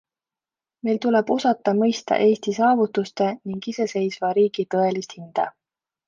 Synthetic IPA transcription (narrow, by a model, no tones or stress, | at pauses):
me̞jlt̪ule̞b̥o̞sɑt̪ːˑɑmɤjst̪ɑ̰ʔe̞ːst̪isɑːvut̪ːˑust̪e̞niŋɡise̞se̞jsvɑɾiːɡ̥it̪ɤ̞e̞list̪hind̪̥ɑ̰